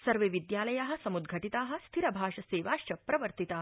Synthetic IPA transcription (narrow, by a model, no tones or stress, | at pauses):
sɐɾʋeʋid̪jaːlɐjaːɦɐ̆sɐmud̪ɡʱɐʈit̪aːɦɐ̆st̪ʰiɾɐbʱaːʂɐseːʋaːʂt͡ʃɐpɾɐʋəɾt̪it̪aː